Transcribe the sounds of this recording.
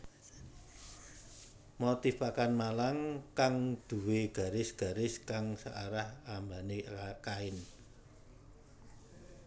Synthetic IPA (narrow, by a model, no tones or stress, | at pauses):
mot̪ifakanmalaŋkaŋd̪̥ṳweɡ̥a̤ɾɪsɡ̥a̤ɾɪskaŋsaʔaɾahambanekaɪn